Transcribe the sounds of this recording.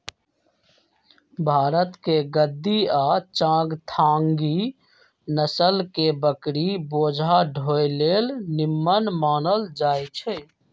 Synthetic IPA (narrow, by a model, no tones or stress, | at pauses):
bʱaːɾət̪keɡəd̪ːiat͡ʃãɡt̪ʰaŋɡi | nəsəlkebəkɾibod͡ʒʱaɖʱojlelnimːənmaːnəld͡ʒajt͡ʃʰɛ